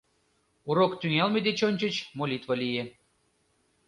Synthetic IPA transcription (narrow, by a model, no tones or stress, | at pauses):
uɾokt̪yŋælmʲed̪et͡ɕonʲt͡ɕə̆t͡ɕmolʲit̪vɤ̆lijĕ